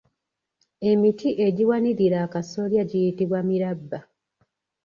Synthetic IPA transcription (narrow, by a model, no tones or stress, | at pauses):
e̞mitʰiʔe̞ɟiwaniɾiɾaːkaso̞ljaɟijitiβwamiɾabːa